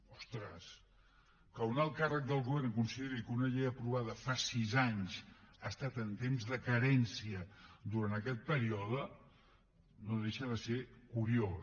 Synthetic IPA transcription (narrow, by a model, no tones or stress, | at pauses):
ɔst̪ɾəs | kəunalˠkarək̚d̪əlˠɣuβɛrnkunsiðeɾikəunəʎejəpɾuβaðəfasizaɲzast̪at̪ənt̪emzðəkəɾɛnsiəd̪uɾant̪əkɛt̪̚pəɾiɔðə | noðeʃəðəsekuɾio